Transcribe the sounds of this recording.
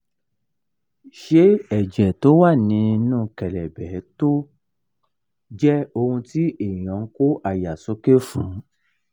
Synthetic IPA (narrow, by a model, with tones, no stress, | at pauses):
ʃe˦ɛ˨d͡ʒɛ˨to˨˦wa˦˨nĩ˨˧˦nũː˦˧kɛ˨lɛ˨bɛ˨˦to˦ | d͡ʒɛ˦o˧hũ˧ti˦ʔe˨j̃ɔ̃˨˦ko˦ʔa˦˨ja˨so˨˦ke˦fũ˨˦